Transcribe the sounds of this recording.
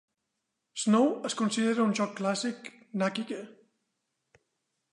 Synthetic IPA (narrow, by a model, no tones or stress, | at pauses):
snowəskunsiðeɾəunʒɔkːlasik | nakikə